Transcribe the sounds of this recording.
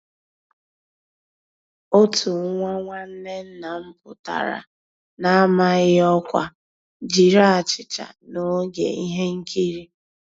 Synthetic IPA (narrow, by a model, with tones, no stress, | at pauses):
o˦tu˨˦ŋʷa˦ŋʷa˦n̩˦ne˦n̩˦na˨m̩˦pʊ˨ta̰˨ɾa̰˨ | na˦a˦ma˦ɣɪ˦ɔ˦kʷa˦ | d͡ʒi˨ɾa˦a˨t͡ʃɪ˨t͡ʃa̰˨no˦ɡḛ˨i˦ɦe˦ŋ̩˦kʰi˦ɾi˦